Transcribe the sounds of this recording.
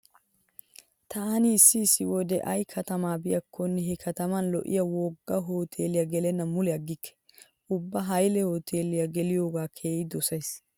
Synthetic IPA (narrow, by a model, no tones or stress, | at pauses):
t̪ʰɐnɪːsːɪːsːɪwɔd̪ɛ̰ʔɐjkʰɐt̪ɐmaːbɪjɐkʰːɔnːɛɦɛkʰɐt̪ɐmɐnlɔ̰ʔɪ̰jɐwɔɡːɐɦoːt̪ʰeːlɪjɐɡɛlɛnːɐmʊlɛɐɡːɪkʰːɛ̥ | ʊbːɐɦɐjlɛho̞ːt̪ʰeːlɪjɐɡɛlɪjo̞ːɡaːkʰeːjɪd̪ɔsɐjs